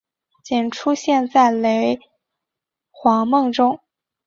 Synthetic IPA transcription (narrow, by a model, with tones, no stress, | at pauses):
t͡ɕi˨˩nʈ͡ʂʰu˥ɕjɛ˥˧nt͡sa˥˩ɪle˧˥ɪ | xwɑ˧˥ŋmɤ˥˩ŋʈ͡ʂʊ˥ŋ